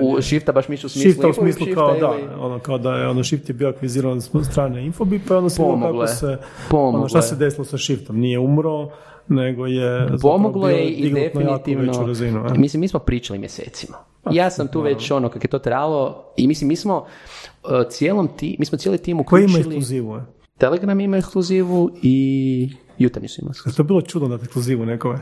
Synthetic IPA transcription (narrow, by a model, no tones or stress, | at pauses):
uʃift̪abaʃmisusmiftlusmiːslˠuʃikaoad̪ao̰nokaod̪ajeonoʃift̪jebioakʋiziːɾanst̪ɾaːneinfobipaod̪opomokaɡlˠojese | pomot̪assed̪esilosaʃift̪omnijeumɾo | neɡojezpomoɡlˠojeiɡdefinit̪iiʋnoɾazinumislimiːsmopɾiːt͡ʃalḭmjesḛːt̪sima | jaːsamt̪uːʋet͡ɕo̞nokakojet̪ot̪ɾaːalˠoimislimːiːsmo | t̪sjeːlomt̪imiːsmot̪jelit̪iːmukoeimaeikslkluziːʋu | t̪eleɡɾamimaekskluziːʋui | jut̪aɾnisuḭma̰t̪obilˠot͡ʃud̪nod̪at̪ekskluziːʋunekome